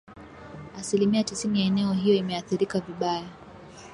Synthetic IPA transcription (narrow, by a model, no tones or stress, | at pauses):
asilimiatisinijaɛnɛɔɦijɔimɛaθiɾikaviɓaja